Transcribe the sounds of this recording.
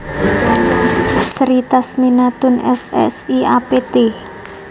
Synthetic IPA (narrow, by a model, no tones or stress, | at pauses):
sɾit̪asminat̪ʊnɛsɛ̰siapet̪e